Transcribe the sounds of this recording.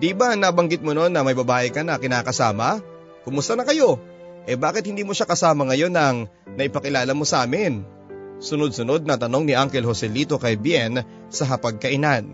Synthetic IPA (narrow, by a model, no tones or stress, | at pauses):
d̪ibanaːbɐŋɡɪt̪̚mono̞nːɐmɐjbɐbaːʔɪkɐnɐkɪnaːkɐsaːmɐ | kʊmʊst̪ɐnɐkɐjo̞ | ʔɛbaːkɪt̪̚hɪnd̪iːmoʃakɐsaːmɐŋɐjo̞nɐŋ | nɐʔɪpɐkɪlaːlɐmo̞sɐʔaːmɪn | sʊnod̪̚sʊno̞d̪̚nɐt̪ɐno̞ŋnɪʔaŋkɛlhosɛliːt̪o̞kɐjbjɛn | sɐɦɐpɐɡ̚kɐʔɪnan